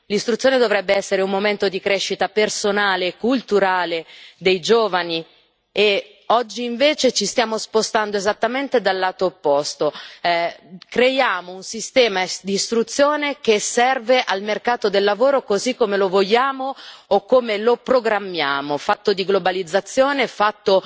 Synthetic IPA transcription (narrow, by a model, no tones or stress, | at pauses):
list̪ɾut̪sjoːned̪ovɾɛbːeɛsːeɾeumːoment̪od̪ikɾeʃːit̪apersonaːleːkːult̪uɾaːled̪ejd͡ʒoːvani | e | ɔd͡ʒːiːɱveːt͡ʃet͡ʃist̪jaːmospost̪and̪oezat̪ːament̪ed̪alːaːt̪oːpːɔst̪o | kɾejaːmounsist̪ɛːmad̪iːst̪ɾut̪sːjoːnek̟esɛrveʔalmerkaːt̪od̪elːavoːɾokozikːomelovoʎːaːmoːkːomelopɾoɡɾamːjaːmofat̪ːod̪iɡlobalid̪zːat̪sːjoːnefat̪ːo